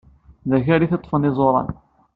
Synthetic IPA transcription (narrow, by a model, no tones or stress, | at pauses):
ðæçæɾiθet̪ˤːfənizˤoɾˤɑ̰n